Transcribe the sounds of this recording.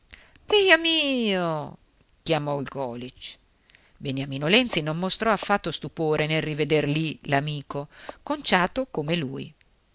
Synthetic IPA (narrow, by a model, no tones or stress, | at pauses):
pejamiːo | kjamɔilɡɔːlit͡ʃ | benjamiːnolɛnt̪sinomːost̪ɾɔafːat̪ːost̪upoːɾenelrived̪erlilamiːkokont͡ʃaːt̪okomelṵːj̰